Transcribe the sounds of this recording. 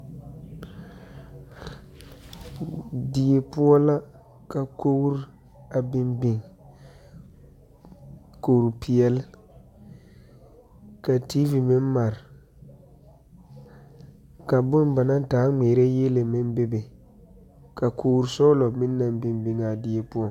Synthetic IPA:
di˨e˨pʊ˦ɔ˦la˦ | ka˨kʰo˦ɣɾ | a˨bɪ˦mbɪ˨ŋ | ko˨ɾpʰi˨ɛ˦l | ka˨tiː˦vi˨mɪ˦n˦ma˨ɾɪ˨ | ka˨bʊ˦nba˨na˦taː˨˦ŋ͡meː˨ɾe˦je˦le˨mɪ˦nbe˦be˨ | ka˨kʰo˦ɣɾsɔ˦lɔ˨mɪ˦nː˦a˨mbɪ˨mbi˨ŋa˨di˨je˨pu˦ɔ˦

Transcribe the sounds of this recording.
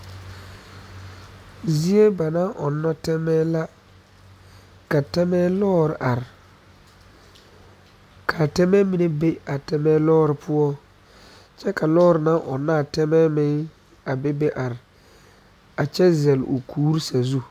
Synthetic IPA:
zi˦e˦ba˨na˦ʔɔ˨nːɔ˦tɛ˦mɛː˦la˦ | ka˨tɛ˦mɛː˦lɔː˦ɾɪ˨ʔa˨ɾɪ˨ | kʰa˨tɛ˦mɛ˦mi˨ne˦be˦a˨tɛ˦mɛː˦lɔː˦ɾɪ˨pʰʊ˦ɔ˦ | t͡ʃɛ˦ka˨lɔː˦ɾɪ˨na˦ʔɔ˨nːa˦˨tɛ˦mɛː˦mɪ˨ŋ | a˨be˦be˦ʔa˨ɾɪ˨ | a˨t͡ʃɛ˦zɛ˨lo˨kʰuː˦ɾsa˨zu˦

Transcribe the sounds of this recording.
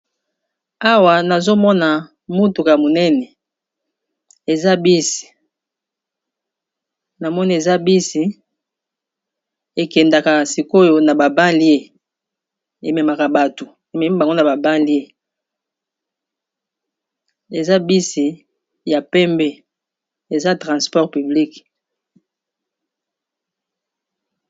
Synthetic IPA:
a˦wa˨na˨zo˦mɔ˦na˨ | mu˦tu˨ka˨mo˨nɛ˦nɛ˨ | e˨za˦bi˦si̥˨ | na˨mɔ˦ni˦e˨za˦bi˦si˨ | e˨kɛ˨nda˨ka˨si˨ko˦jo˦na˨ba˨ba˦li˦e˦ | e˨me˨ma˨ka˨ba˨to˨ | e˨me˨mi˦ba˨ŋɡo˦na˨ba˨ba˦li˦e˦ | e˨za˦bi˦si˨ | ja˨pɛ˦mbɛ˦ | e˨za˦tʁã˨spɔ˦ʁpy˨bli˦k

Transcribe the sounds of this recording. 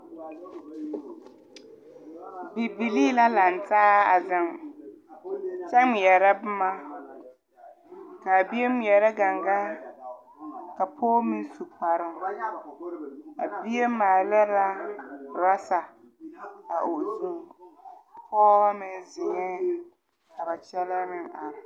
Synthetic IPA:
bi˨bi˨li˦la˦la˨n˨taː˦a˨zɪ˨m | t͡ʃɛ˦m˨jɛ˨ɾa˦bʊ˦ma˦ | ka˨bi˦e˦m˦jɛ˨ɾɛ˦ɡa˨ŋɡa˦ | ka˨pʰoː˦mi˦su˨k͡pa˨ɾɪ˨ŋ | a̰˨bi˦e˦maː˨lɛ˦la˦ɾa˦sa˨ | a˨ʔo˨ʔsu˨m | pʰɔː˦a˦mɪ˦zɪ˨ŋɛ˦ | ka˨ba˨t͡ʃɛ˦la˦mɪ˦ŋa˨ɾɪ˨

